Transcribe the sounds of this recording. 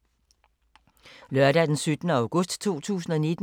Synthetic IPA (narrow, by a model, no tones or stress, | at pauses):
lɶɐɾæd̥ensyd̥nəɑ̈ʊɡ̥ɔ̽sd̥t͡sʰo̝̰ːt͡sʰṵːsn̩ɒ̽nid̥